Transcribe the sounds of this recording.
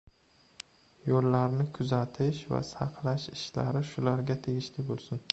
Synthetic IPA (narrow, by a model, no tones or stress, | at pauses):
jolːaɾnɪkʰʊzat̪ʰɪʃva̰sɑqlaʃɪʃla̰ɾɪʃʊlaɾɡʲat̪ʰe̞ɡʲɪʃlɪbolˠsɪn